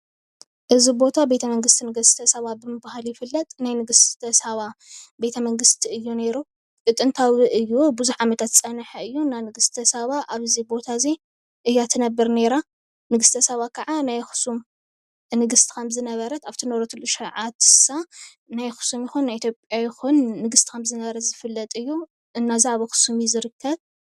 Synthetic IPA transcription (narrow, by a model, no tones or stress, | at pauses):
ʔɨzibo̞t̪ʰabe̞t̪ʰɐmɐŋɡɨst̪ʰinɨɡɨst̪ʰɐsɐβabɨmɨbahaljɪfɨlːɐt̪ʼnajnɨɡɨst̪ʰɐsɐβabe̞t̪ʰɐmɐŋɡɨst̪ʰiɨjːune̞ɾu | kʼɨt̪ʼɨnt̪ʰawiʔɨjːubuzuħʕamɐt̪ʰat̪t͡sʼɐnħɐɨjːunanɨɡɨst̪ʰɐsɐβaʔaβzibo̞t̪ʰaze | ʔɨjːat̪ʰɨnɐbɨɾne̞ɾa | nɨɡɨst̪ʰɐsɐβakʰɐʕanajxu̥sum | nɨɡɨst̪ʰi̥kʰɐmzɨnɐβɐɾɐt̪aβt̪ʰinoɾot̪ʰuluʃɐʕat̪sa | najxɨ̥sumjɪxunːajʔit̪ʰjopʼjajɪxunːɨɡɨst̪ʰi̥kʰɐmzɨnɐβɐɾɐt̪zɨfɨlːɐt̪ʼɨjːu | ɨnːaziaβoxɨ̥sumizɨɾɨkʰːɐβ